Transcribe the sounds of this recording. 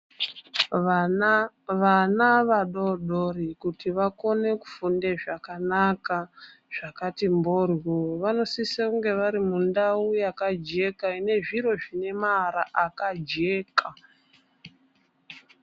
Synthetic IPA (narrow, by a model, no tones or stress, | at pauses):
ʋanaʋaɗoɗoɾikutiʋako̞ne̞ku̥funde̞ʐakanaka | ʐ̥akatimborwoʋano̞sisakuŋɡe̞ʋaɾimundaujakad͡ʒe̞kaine̞ʐiɾo̞ʐine̞maɾa̰ʔakad͡ʒe̞ːka